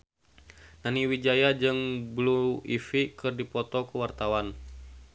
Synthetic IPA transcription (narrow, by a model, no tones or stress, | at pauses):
naniwid͡ʒajad͡ʒɨŋbluifikɨrdipɔt̪ɔkuwart̪awan